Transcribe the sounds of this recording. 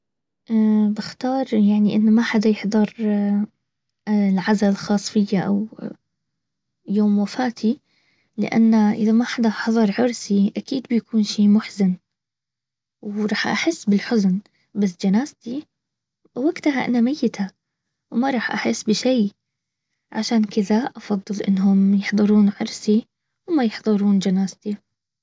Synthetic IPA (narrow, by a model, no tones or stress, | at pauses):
ʔbɪxt̪ɑːɾˤjaʕniʔɪnːmaħad̪ajɪħd̪ˤɑɾˤ | lʕazallxɑːsˤfɪjːaʔa̰w | joːmwafaːt̪ʰi | lɪ̰ʔa̰nːaʔɪðamaħad̪aħɑðˤɑɾˤʕʊɾsiʔakiːd̪bɪjakʰuːnʃiːmʊħzɪn | wɾˤɑːħʔa̰ħɪsːbɪlħʊzn | bas̬ːd͡ʒanaːzt̪i | bɪwaɡt̪ɦaʔa̰namajːɪt̪ʰa | wmɑɾˤɑːħʔa̰ħɪsːbɪʃiː | ʕaʃaːnkɪðaʔɑfɑðˤːɨlʔɪ̰nːɦʊmjɪħðˤɨɾuːnʕʊɾsi | wmajɪħðˤɨɾuːnd͡ʒanaːzt̪i